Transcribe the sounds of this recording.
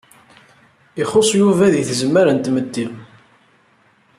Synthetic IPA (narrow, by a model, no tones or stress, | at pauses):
iχosˤjuvæðiθzəmːəɾənt̪ːməd̪ːiʁ